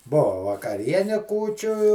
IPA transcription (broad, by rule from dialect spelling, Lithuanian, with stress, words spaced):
ˈbʊʋɐ ʋɐkɐˈrʲiɛnʲɛ ˈkuːt͡ʃʲʊ